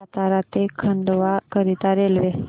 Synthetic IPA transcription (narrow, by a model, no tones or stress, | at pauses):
t̪aɾat̪ekʰəɳɖʋakəɾit̪aɾelʋe